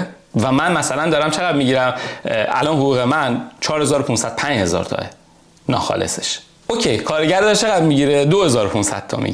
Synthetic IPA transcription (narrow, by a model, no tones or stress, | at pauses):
væmænmæsælænd̪ɒːɾæmt͡ʃʰe̞ɣæd̪miɟiːɾæmʔæ̰lɒːnɦoɣuːɣemænt͡ʃʰɒːɾhezɒːɾopʰunsæd̪̥pʰænd͡ʒhe̞zɒ̰ːɾt̪ʰɒ̰e | nɒ̰ːxɒ̰ːlḛse̥ʃ | ocʰejkʰɒːɾeɟæɾd̪ɒɾt͡ʃʰe̞ɣæd̪miɟiːɾed̪ohe̞zɒːɾopʰunsæ̰d̪̥̚t̪ʰɒ̰mḭɟiɾ